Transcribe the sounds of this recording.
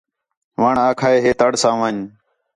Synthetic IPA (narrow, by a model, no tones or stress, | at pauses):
ʋaːɳaːkʰaːeːɦeːt̪əɽsãːʋãːɲ